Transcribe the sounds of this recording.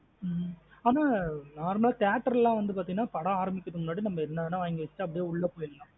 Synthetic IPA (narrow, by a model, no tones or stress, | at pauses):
aːnaːnaːɾmɐlaːkaːʈːɐɾɛlːãːʋɐnd̪ɯpaːɾt̪iŋɡɐnːaːpɐɽɐaːɾɐmbɪkːɐðɯmʊnːaːɽinɐmːɐɪɾɯnːanːaʋaːɪŋɡɐʋɛt͡ɕt͡ʃːɪ̥ʈːɯɐp̬ːɐɽɪjeːʊɭːɐpoːjɪllãː